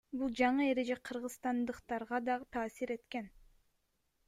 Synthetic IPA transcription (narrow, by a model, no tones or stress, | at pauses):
bulˠd͡ʒɑɴɯe̞ɾe̞d͡ʒeqʰɯɾʁɯzst̪ɑnd̪ɯqt̪ɑɾʁɑd̪ɑʁɯt̪ʰɑːsiɾe̞t̪ke̞n